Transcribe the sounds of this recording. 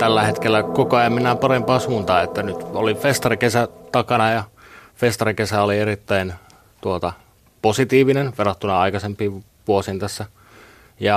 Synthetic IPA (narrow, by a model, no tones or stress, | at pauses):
t̪ælːæhet̪kelːækokoɑjɑmminːæːpɑrempɑːsuːnt̪ɑːet̪ːænyt̪olifest̪ɑrikesæt̪ɑkɑnɑjɑ | fest̪ɑrikesæolierit̪ːæin | t̪uot̪ɑ | posit̪iːʋinenʋerɑt̪ːunɑɑikɑsempiːʋ | ʋuosiːnt̪æsːæ | jɑ